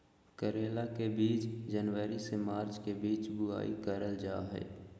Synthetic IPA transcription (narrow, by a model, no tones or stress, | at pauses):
kəɾeːlakebiːt͡ʃd͡ʒənʋəɾisemaːɾt͡ʃkebiːt͡ʃbʊa̰ːikəɾəld͡ʒaːɦɛ̰ː